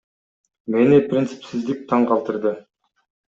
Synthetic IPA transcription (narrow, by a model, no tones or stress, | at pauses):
me̞niprʲint̪sɨ̥psizd̪ik̚t̪ʰɑɴqʰɑlˠt̪ɯɾd̪ɯ